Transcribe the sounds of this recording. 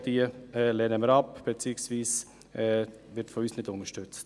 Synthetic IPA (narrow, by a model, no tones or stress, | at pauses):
d̥iəɛlɛnəməɾɑpb̥et͡siksviːs | ʔɛ | ʋɪɾtfɔyːsnɪdʊnəʃtʉt͡st